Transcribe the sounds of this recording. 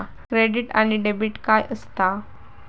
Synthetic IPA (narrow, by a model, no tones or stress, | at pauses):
kɾeɖiʈa̰ñiɖebiʈkajʔəst̪a